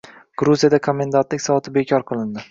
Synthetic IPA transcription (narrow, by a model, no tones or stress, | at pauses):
ɡ̥ɾuzijad̪akʰomʲːend̪ant̪lɪkʲsɒvɒt̪ʰɪbekʲʰɒɾqʰɨlˠɪnd̪ɪ